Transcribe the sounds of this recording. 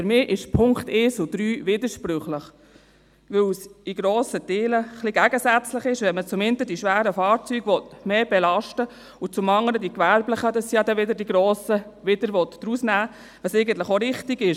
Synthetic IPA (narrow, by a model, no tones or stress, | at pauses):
fʏɾmɪːʔɪʃpʰʊŋkt̪eːsʊd̥̪ɾyːʋɪd̪əʃpɾʏχləχ | ʋɪwsiɡ̥ɾoːsəteːləχliɡæɡəsæt͡sləχɪʃʋɛnmət͡sʊmɪntədiʃʋæːɾəfɑːɾt͡syɡʋɔtmeːb̥ɛlɑʃtə | ʊt͡sʊmɑŋələdikʋæɾbləχəd̥̪ɑsːijɑd̪ɛʋɪd̪əɾdiɡɾoːsəʋɪd̥̪əɾʋɔtd̥ɾusnæː | ʋɑsɛɪɡən̩t̪ləχoɾɪχtiɡɪʃ